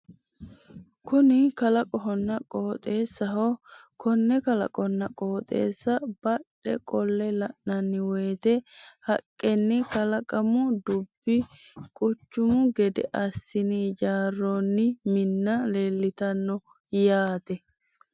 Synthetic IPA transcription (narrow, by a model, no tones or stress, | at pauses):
kʊnɪkɐlɐkʼɔɦɔnːɐkʼoːt̪ʼe̞ːsːɐɦokʰɔnːɛkɐlɐ̰kʼɔnːɐkʼoːt̪ʼḛːsːɐb̥ɐɗɛ̰kʼɔlːɛlɐʔnɐnːɪweːt̪ɛhɐkʼːɛnːɪkɐlɐkʼɐmʊd̪ʊbːɪkʼʊt͡ʃːʊmʊɡɛd̪ɛ̰ʔɐsːɪniːd͡ʒaːrːoːnːɪmɪnːɐle̞ːlːɪt̪ɐnːɔ | jaːt̪ɛ